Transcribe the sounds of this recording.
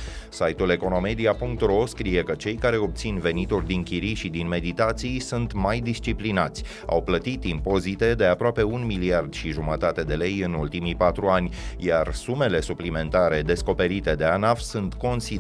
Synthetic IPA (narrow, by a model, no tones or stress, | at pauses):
sajt̪ule̞ko̞no̞me̞d̪iapuŋk̚t̪ro̞skɾije̞kət͡ʃe̞jkaɾe̞o̞b̚t̪sinve̞nit̪urʲd̪iŋkʲiɾiʃid̪inme̞d̪it̪at̪sijsunt̪majd̪ist͡ʃiplinat̪sʲ | a̰wplət̪it̪impo̞zit̪e̞d̪e̞apɾoape̞unmiliard̪ʃiʒumət̪at̪e̞d̪e̞le̞jɨnult̪imipat̪ɾuanʲjarsume̞le̞suplime̞nt̪aɾe̞d̪e̞sko̞pe̞ɾit̪e̞d̪e̞anafsunt̪ko̞nsi